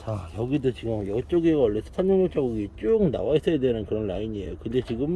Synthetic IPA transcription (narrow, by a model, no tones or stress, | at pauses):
t͡ɕajʌɡidot͡ɕiɡɯmjʌt͡ɕ͈oɡeɡaʌɭːesʰʌ̥sʰanmʌŋot͡ɕ͈ʰaɡuɡit͡ɕ͈uk̚na̰wais͈ʌjadwenɯnkɯɾʌnɾaiɲiḛjokɯnde̞t͡ɕiɡɯm